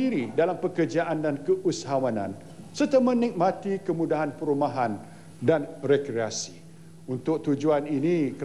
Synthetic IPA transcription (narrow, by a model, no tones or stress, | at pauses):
iɾidalampəkərd͡ʒaʔandankəʔusaɦawanã̰n | sərt̪amə̃nik̚mãt̪ikəmudaɦanpəɾumaɦan | danrekɾeasi̥ | unt̪ʊk̚t̪ud͡ʒuaninĩkə